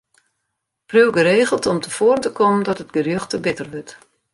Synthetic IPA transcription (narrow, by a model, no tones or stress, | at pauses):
prywɡəɾeːɣəlˠtɔmtəfoːərəntəkɔməndɔtətɡərjøxtəbɪtərʋøt